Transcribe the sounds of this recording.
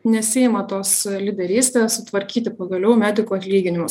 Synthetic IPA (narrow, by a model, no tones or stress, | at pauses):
nʲɛsʲɪɪmɐt̪oːslʲɪd̪ʲɛɾʲiːsʲt̪ʲeːssʊt̪ʋɐɾʲkʲiːt̪ʲɪpɐɡɐlʲɛʊmʲæːd̪ʲɪkuːɐt̪ʲlʲiːɡʲɪnʲɪmʊs